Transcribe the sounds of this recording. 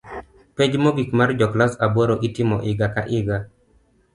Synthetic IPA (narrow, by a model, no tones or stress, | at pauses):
ped͡ʒmɔɡikmard͡ʒɔklasabɔɾoʔitɪmɔʔɪɡaka̰ʔɪɡa